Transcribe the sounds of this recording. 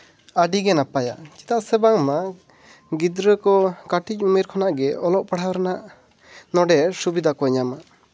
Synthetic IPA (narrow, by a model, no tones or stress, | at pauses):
aɖiɡɛnapaja̰t͡ʃi̥t̪aʔsɛbaŋma | ɡid̪ɾəkɔkaʈic̚ˀumiɾkʰɔnaʔɡɛɔlɔʔpaɽ̤awɾɛnaʔ | nɔɖɛsubid̪ʱakɔɲamaʔ